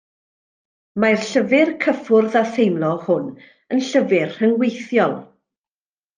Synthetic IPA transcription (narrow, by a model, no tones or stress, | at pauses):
marɬəvɪrkʰəfʊrðaθejmlˠɔhʊn | ənɬəvɪrhənwejθjɔlˠ